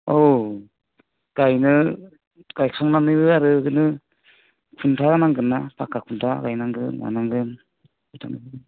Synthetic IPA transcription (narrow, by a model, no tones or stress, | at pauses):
ow | kajnɯ | kajkʰɔŋnamnɯjbɯaɾɯɯnɯ | kʰuntʰaɡanaŋɡɯnːapakːakʰuntʰaɡajnaŋɡɯnwa̰naŋɡɯn | ujtʰanɯbɯ